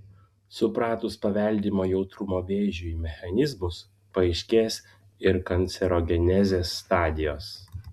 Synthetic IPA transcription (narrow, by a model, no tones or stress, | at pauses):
sʊpɾɑːt̪ʊspɐʋʲɛlʲd̪ʲiːmoːjɛʊt̪ɾʊmoːʋʲeːʒʲuiːmʲɛxɐnʲɪzmʊs | pɐɛɪʃʲkʲeːsʲ | ɪɾkɐnʲt̪sʲɛɾoɡʲɛnʲɛzʲeːsːt̪ɑːd̪ʲɪjoːs